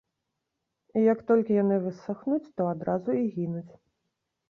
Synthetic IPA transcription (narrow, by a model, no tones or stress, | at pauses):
ijɐkt̪ɔlʲkʲijanɨvɨsaxnut͡sʲt̪ɔad̪ɾazuiɣʲinut͡sʲ